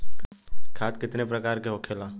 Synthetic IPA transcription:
kʰaːt̪kɪt̪nepɾəkaːɾkeɦokʰela

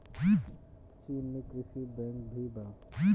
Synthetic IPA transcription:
t͡ʃiːnmẽkɾɪsibɛ̃ːŋkbʱibaː

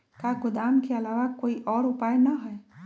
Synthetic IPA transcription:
kaɡʊd̪aːmkeɐlaːʋakoːiʔɔːɾʊpaːjnaɦɛː

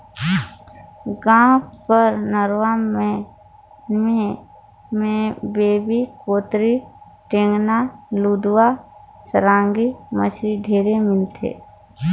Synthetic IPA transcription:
ɡãːpəɾnəɾwame | me | mẽbeːbikoːt̪ɾi | ʈẽːŋɡnaluːd̪wa | səɾãːŋɡimət͡ʃʰɾiɖʱeːɾemɪlt̪ʰḛː

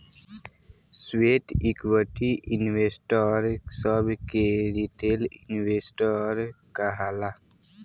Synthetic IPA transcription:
swet̪ikwəʈiʔinwesʈɔɾsɔbʱkeɾit̪elinwesʈɔɾkaɦala

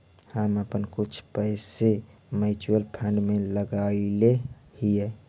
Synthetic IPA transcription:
həməpənkʊt͡ʃʰpəɪseməɪt͡ʃuəlpʰə̃ɳɖmeləɡaɪlehiɛ

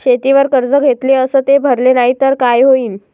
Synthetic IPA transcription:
ɕet̪iʋəɾkəɾd͡zəɡʱet̪leəsəːt̪ebʱəɾlenaɦiːt̪əɾkajɦoiːn

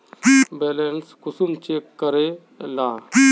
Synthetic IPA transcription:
bɛlenskusumt͡ɕekːəɾe | la

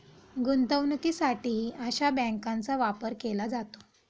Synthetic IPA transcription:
ɡunt̪əwnəkiːsaʈiːəɕabɛ̃ŋkãnt͡saʋapəɾkelad͡zat̪o

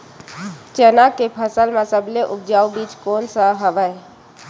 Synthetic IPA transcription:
t͡ʃɛnakepʰəsəlmasəbleʔʊp̚d͡ʒaːubiːt͡ʃkoːnsəɦəʋəe

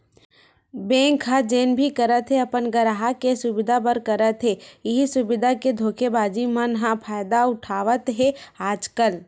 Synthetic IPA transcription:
bɛ̃ːŋkɦad͡ʒeːnbʱikəɾət̪ɦeɐpənɡəɾaɦakesʊbɪd̪ʱabəɾkɐɾət̪ɦeːɪɦisʊbɪd̪ʱaked̪ʱoːkʰebaːd͡ʒimə̃nɦãpʰaːjd̪aʊʈʰaːʋət̪ɦɛaːd͡ʒkəl

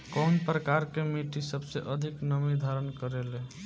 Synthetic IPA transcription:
kɔnpɾəkaɾkemiʈisəbseʔəd̪ʱiknəmid̪ʱaɾənkəɾele

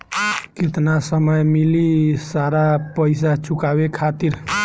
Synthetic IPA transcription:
kit̪nasəməjmilisaɾapəɪsat͡ʃukabekʰat̪iɾ

